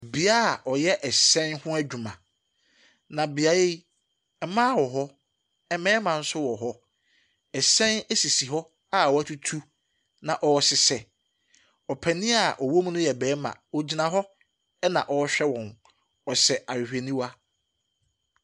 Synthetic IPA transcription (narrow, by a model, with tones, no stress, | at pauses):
bi˨a˦a˨ʔɔ˨jɛ˦ʔɛ˨sɛ̃˦nhʊ̃˦æ˦d͡ʑᶣu˨mã̰˨ | nã˨bi˨a˨je˦i˦ | ɛ˨˦mãː˦wɔ˨ɦɔ˦ | ɛ˨mɛ̃ː˦mã˨n̩˦sʊ˦wɔ˨ɦɔ˦ | ɛ˨sɛ̃˦nɛ˦si˨si˨ɦɔ˦ | a˦˨wɔ˨˦æ˦tʰu˦tʰu˦ | nã˨ʔɔ˨sɪ˨sɛ˨ | ɔ˨pʰɛ˨nɪ̃˦a˨ʔɔ˨wo˦m˦nʊ̃˦jɛ˨bɛː˨˦mã̰˨ɔ˦d͡ʑi˦nã˨ɦɔ˦ | ɛ˦nã˨ʔɔ˨˦ɕᶣɛ˦wɔ̃˨n | ɔ˨sɛ˨ʔa˨ɪ˨hᶣe˨nĩ˦wa˦